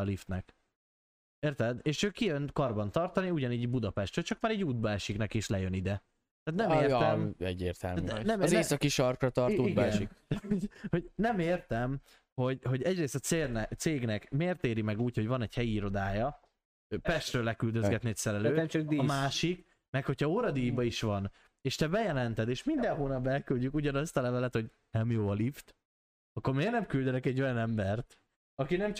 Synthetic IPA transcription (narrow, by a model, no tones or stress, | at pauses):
lift̪nɛk | eːrt̪ɛd̪eːʃøːkijønkɒrbɒnt̪ɒrt̪ɒniuɟɒniːɟbud̪ɒpɛʃt̪røːt͡ʃɒkmaːɾɛɟːuːd̪̚bɒɛʃiknɛkiʃlɛjønid̪ɛ | t̪aːt̪nɛmeːrt̪mɛɟːeːrt̪ɛlmnɛmzeːssɒkiʃɒrkrɒt̪ɒrt̪uiɡɛʃnikhoɟho̞ɟnɛmeːrt̪ɛm | ho̞ɟɦo̞ɟɛɟreːst̪ɒt̪seːrnɛt̪seːɡnɛkmeːrt̪eːɾimɛɡuːcho̞ɟvɒnɛɟhɛjiiɾo̞d̪aːjɒ | pɛʃt̪røːlːɛkyld̪øzɡɛt̪niɛcʲsɛɾɛløːɛmt͡ʃɒkd̪iɒmaːʃik | mɛkho̞cʰhɒoːɾɒd̪iːjbɒiʃʋɒn | eːʃt̪ɛbɛjɛlɛnt̪ɛd̪eːʃmind̪ɛnɦoːnɒbbɛlkylɟykuɟɒnɒst̪ɒlɛvɛlɛt̪ho̞ɟ | nɛmjoːlift̪ | ɒkːo̞rmeːrnɛmkyld̪ɛnɛkɛɟːo̞jɒnɛmbɛrt̪ | ɒkinɛmt͡ʃ